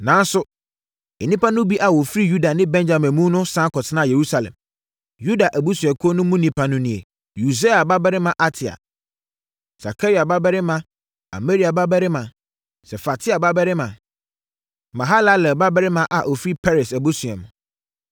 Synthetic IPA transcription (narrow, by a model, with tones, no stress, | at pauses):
nã˨˦n˦sʊ˨ | ɛ˨nĩ˦pa˦nʊ̃˦bi˦ʔa˨wɔ˨fɾi˦ju˦da˨nɪ̃˦bɛ̃˦nd͡ʑa˨mɛ̃˨mũ˦nʊ̃˦sã˦kɔ˨tʰɪ˦nã˦˨je˨ɾu˦sa˨lɛ̰̃˨m | ju˦da˨ʔæ˨bu˦sũ˨ɛ˨kʰʊ˦ɔ˦nʊ̃˦mũ˦nĩ˨pʰa˦nʊ̃˦nĩ˨ḛ˨ | ju˨se˦a˨ba˦bɛ˦ɾɪ˦mã˨ʔa˦tʰɪ˨a̰˨ | sa̰˨kʰa˦ɾi˨a˨ba˦bɛ˦ɾɪ˦mã˨ | a̰˨me˦ɾi˨a˨ba˦bɛ˦ɾɪ˦mã˨ | sɛ˨fa˨tʰɪ˦a˨ba˦bɛ˦ɾɪ˦mã˨ | mã˨ɦa˦la˦lɛ˨ba˦bɛ˦ɾɪ˦mã˨ʔa˨ʔo˨fɾi˦pʰɛ˦ɾɛ˨sæ˨bu˦sɛ̰̃˨m̃˨